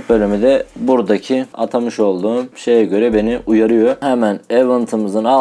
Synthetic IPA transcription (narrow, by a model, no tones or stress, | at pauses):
bø̞lʲymyd̪ɛbuɾd̪acʰia̰t̪ʰamɯʃo̞lˠd̪uːʃe̞jɛɟø̞ɾɛbe̞niʔujaɾɯjo̞hɛmænevɯnt̪ʰɯmɯzɯna